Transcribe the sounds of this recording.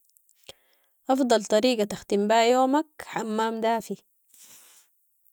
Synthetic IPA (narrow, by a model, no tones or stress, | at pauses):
ʔɑfd̪ˤɑlt̪ˤɑɾiːɡat̪axt̪imbaːʔjoːmakħamːaːmd̪aːfi